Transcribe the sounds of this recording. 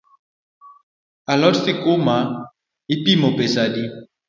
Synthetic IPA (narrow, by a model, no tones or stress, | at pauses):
alɔsikoma | ipimopesadi